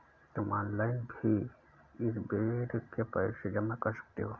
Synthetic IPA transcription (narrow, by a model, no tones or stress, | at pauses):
t̪ʊmʔɔːnlaːɪnbʱi | ɪsbeːʈkepɛːsed͡ʒɐmakɐɾsɐ̥k̚t̪eɦoː